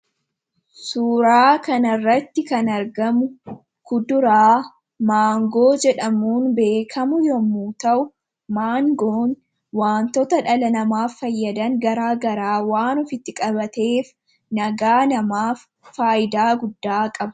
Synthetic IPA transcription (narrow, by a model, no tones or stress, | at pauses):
suːɾaːkɐnɐrːɐt̪ːɪkɐnɐɾɡɐmʊ | kʊd̪ʊɾaː | maːŋɡo̞ːd͡ʒɛᶑɐmuːnbe̞ːkʰɐmʊjɔmuːt̪ɐʔʊ | maːŋɡoːn | waːnt̪ɔt̪ɐᶑɐlɐnɐmaːfːɐjːɐd̪ɐŋɡɐɾaːɡɐɾaːwaːnɔfɪt̪ːɪkʼɐbɐt̪e̞ːf | nɐɡaːnɐmaːfː | aːjɪd̪aːɡʊd̪ːaːkʼɐb